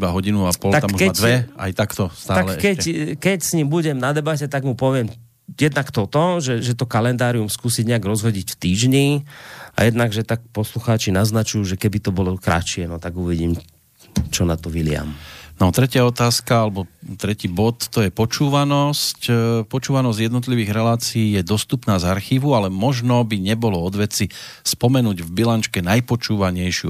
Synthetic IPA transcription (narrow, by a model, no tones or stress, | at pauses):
ibaɦɔɟinuapɔlt̪ak̪ammɔːkɛd̪ʋɛa̰jt̪akt̪ɔst̪aːalkɛːɛɛkɛcsɲiːmbuɟɛmnad̪ɛbacɛt̪aɡmupɔʋɪɛm | jɛd̪nakt̪ɔt̪ɔʒɛʒɛt̪ɔkalɛnd̪aːɾiumskuːsiɟɲɛaɡɾɔzɦɔɟicft̪iːʒɲia̰jɛd̪naɡʒɛt̪ak̚pɔsluxaːt͡ʃinaznat͡ʃujuːʒɛkɛbit̪ɔbɔlɔkɾa̰t͡ʃɪɛnɔt̪aɡuʋiɟiːm | t͡ʃɔnat̪ɔʋilɪa̰mnɔt̪ɾɛcɪaɔt̪aːskaalɛbɔt̪ɾɛciːbɔt̪ːɔjɛpɔt͡ʃuːʋanɔscpɔt͡ʃuːʋanɔzɟjɛd̪nɔt̪̬liʋiːɣɾɛlaːt͡siiːjɛd̪ɔst̪upnaːzaɾxiːʋualɛmɔʒnɔbiɲɛbɔlɔɔd̪ʋɛt͡sispɔmɛnuːɟvbilant͡ʃkɛnajpɔt͡ʃuːʋaɲɛjʃɪṵ